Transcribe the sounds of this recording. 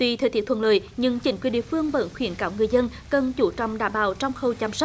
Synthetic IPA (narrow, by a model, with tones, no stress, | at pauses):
t̪wi˧t̪ʰeː˨˧˩t̪ʰi˦˥t̪ʰwə˨˩nləː˨˩jɲɨ˧ŋt͡ɕï˧˨˦ŋ̟kwi˧˩ɗi˧˨əfɨ˧əŋvə̰˧˥nxwi˧˩˦ənkaː˧˦wŋɨ˨˩əjzə˧n | kə˨˩nt͡ɕu˧˩˦t͡ɕɔ˧˨wŋ͡mɗaː˧˩mɓaː˨˩wt͡ɕɔ˧wŋ͡mxə˧wt͡ɕa˧ms̚